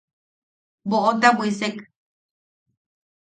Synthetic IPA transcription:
boʔot̪̬abwisek

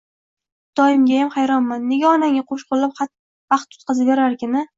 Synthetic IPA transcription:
d̪̥ɒjɪmɡʲajamχajɾɒnmanːe̞ɡʲaɒnaŋʲaqʰoʃqʰʊlːapχɑt̪ | vɑqt̪ʰːʊ̥t̪̚qʰɑzɪbeɾaɾkʲɪnɪ

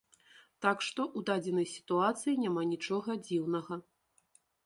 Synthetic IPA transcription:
t̪akʂt̪ɔʔud̪ad͡zʲɛnɐjsʲi̥t̪uat̪sɨjinʲamanʲit͡ʂɔɣɐd͡zʲiwnɐɣɐ

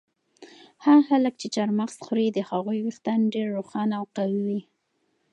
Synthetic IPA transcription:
haxalək̚t͡ʃet͡ʃaɾmaxsxɾid̪əhaɣujwuxt̪anɖeɾːoxɑnawqaliwi

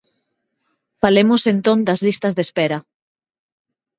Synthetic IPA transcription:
falemosent̪õnd̪ɐzlist̪ɐzðespɛɾɐ

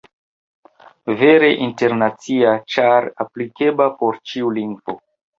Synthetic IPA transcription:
ve̞ɾe̞ʔinte̞ɾnat͡siat͡ʃaɾaplike̞bapo̞ɾt͡ʃiuliŋɡvo

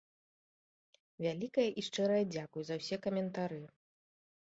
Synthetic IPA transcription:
vʲalʲikɐjɐʔiʂt͡ʂɛɾɐjɐd͡zʲakujuzɐwsʲɛkɐmʲɛnt̪aɾɨ

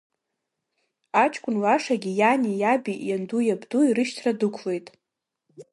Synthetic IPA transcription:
at͡ʃʰʼkʷʼʊnlaʂaɡʲijanʲijabijandujabduirɨʃtʰradɨkʷʰle̞jtʼ

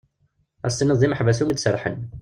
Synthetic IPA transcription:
æ̰st̪inəðˤiməħvæs̬umid̪sərːˤħə̰n

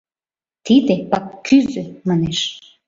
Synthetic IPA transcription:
t̪id̪epɑkːyzømɑneʃ

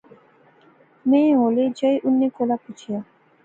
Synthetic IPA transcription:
mẽɦoled͡ʑəjʔunːekolaput͡ɕʰija

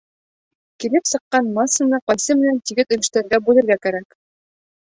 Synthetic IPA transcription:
kilɘpsɤ̆qːɑnmɑsɤ̆nɤqɒjsɤmɘ̆nænt̪iɡɘt̪ɵ̆lɘ̆ʃt̪æɾɡæbʉlɘ̆ɾɡækæɾæk

